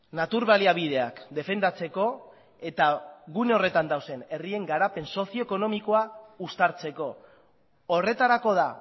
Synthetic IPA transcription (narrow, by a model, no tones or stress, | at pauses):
nat̪uɾβaliaβ̞iðe̞akd̪e̞fe̞nd̪at͡se̞ko̞ | e̞t̪aɣuneo̞re̞t̪and̪awse̞ne̞rie̞ŋɡaɾape̞nso̞sio̞eko̞no̞miko̞aust̪aɾt͡se̞ko̞ː | re̞t̪aɾako̞ð̞a